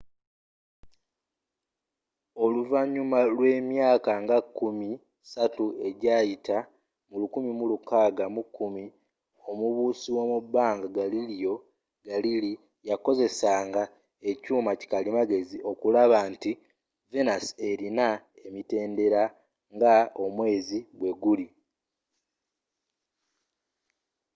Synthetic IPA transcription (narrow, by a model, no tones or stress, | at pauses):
o̞luvaɲumalwe̞ːmjaːkaŋɡakːumi | satue̞ɟaːjita | mulukumimulukaːɡamukːumi | o̞muβuːsiwo̞mubːaːŋɡaɡaliljo̞ | ɡalili | jako̞ze̞saːŋɡa | e̞cuːmaci̥kalimaɡe̞ziʔo̞kulaβaːnti | venase̞ɾina | e̞mite̞ːnde̞ɾa | ŋɡao̞mwe̞ːziɡwe̞ɡuli